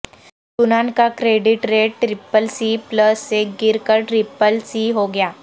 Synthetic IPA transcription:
sʊnaːnkakɾeːɖɪʈɾeːʈʈɾɪpəlsipləsːeɡɪɾkəɾʈɾɪpəlsiɦoɡəjaː

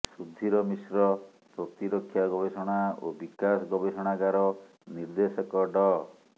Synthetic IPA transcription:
sud̪ʱːiɾɔmisɾɔ | pɾɔt̪iɾokʰːjaɡɔbesɔɽ̃ao̰bikasɔɡɔbesɔɽ̃aɡaɾɔ | niɾd̪esɔkɔɖɔ

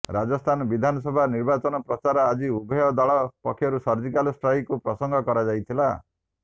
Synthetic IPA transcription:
ɾad͡ʒɔst̪ʰanɔbid̪ʱanɔsɔbʱaniɾbat͡ʃɔnɔpɾɔt͡ʃaɾɔad͡ʒiubʱɔjɔd̪aɭɔpɔkʰjɔɾusɔɾd͡ʒikalɔsʈɾɔjkupɾɔsɔŋɡʱɔkɔɾad͡ʒajt̪ʰila

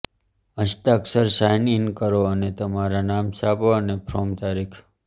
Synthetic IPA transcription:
ə̃ʃt̪aksəɾʃajninkəɾoənet̪əmaɾanamsapoənepʰɾomt̪aɾikʰ

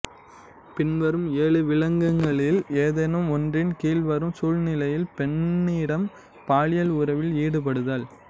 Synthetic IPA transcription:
pɪnʋɐɾɯmeːɭɯʋɪɭɐŋɡɐŋɡɐɭɪleːðɐnɯmɔndrɪnkiːlʋɐɾɯmsuːlnɪlɐjɪlpɛɳːiːɽɐm | paːɻɪjɐlʊɾɐʋɪliːɽɯp̬ɐɽɯðaːl

